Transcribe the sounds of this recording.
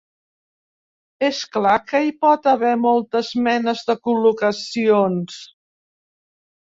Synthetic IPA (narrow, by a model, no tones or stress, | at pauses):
esklakəipɔt̪əβɛmɔlˠt̪əzmɛnəzðəkulukəsions